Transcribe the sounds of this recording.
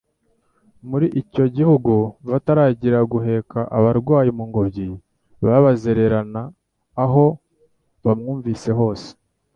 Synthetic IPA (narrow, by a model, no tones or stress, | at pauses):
muɾiʔico̞ɟihuɡuβataɾaːɟiɾaɡuɦe̞kaʔaβaɾɡwaːjimuŋɡobji | βaβazeɾe̞ɾanaː | ɦo̞ | βamŋuːɱvise̞ɦo̞ːse̥